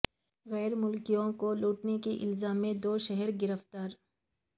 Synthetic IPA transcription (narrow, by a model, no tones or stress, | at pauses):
ɣɛːɾmʊlkijõkoluːʈnekiʔɪ̰lzaːmːẽd̪oːʃɛɦɛɾɡɪɾəft̪aːɾ